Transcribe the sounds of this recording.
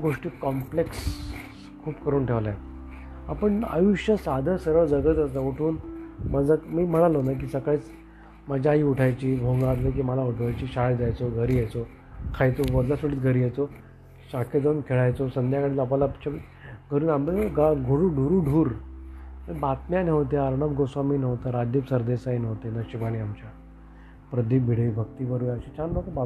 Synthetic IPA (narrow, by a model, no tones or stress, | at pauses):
ɡoʂʈiːkɔmpleks | kʰuːpkəɾuːnʈʰeʋlaj | apəɳə̰juɕjəsad̪ʱəsəɾʋəd͡zəɡət̪əsəoʈʰuːnməd͡zamiːm̤əɽ̃alonak̬iːsəkajt͡s | məd͡ʑʱaɦiːuʈʰajt͡ɕiːbʱoŋɡat̪lək̬iːməlauʈʰʋajt͡ɕiːɕaɭd͡zajt͡soɡʱəɾiːjajt͡so | kʰajt͡soʋəd̪lasuɽiːt̪ɡʱəɾiːjajt͡so | ɕakʰed̪ənkʰeɭajt͡sosənd̪ʱjakəɽiːlapalapt͡ɕʰa | ɡʱəɾuːnambəɡaɡʱoɽuːɖʱuɾuːɖʱuːɾ | əbat̪mjanəʋt̪eəɾɳəbɡosʋamiːnəʋt̪aɾad͡ʑ̪ipsəɾd̪esainəʋt̪enaɕiʋaniːamt͡ɕa | pɾəd̪iːbʱiɽəibʱək̚t̪iːbəɾujaɕit͡ɕanbək̪əba